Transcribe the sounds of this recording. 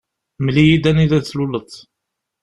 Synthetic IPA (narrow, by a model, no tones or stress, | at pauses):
mlijid̪æniðæθlulət̪ˤː